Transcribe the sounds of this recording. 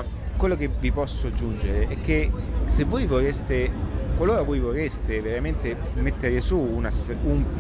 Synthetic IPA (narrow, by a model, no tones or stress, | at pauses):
kwelːok̟evipɔsːoad͡ʒːund͡ʒeɾeʔɛkːesevːojvorest̪ekwaloːɾavojvorest̪eveɾament̪e | met̪ːeɾesuːnasum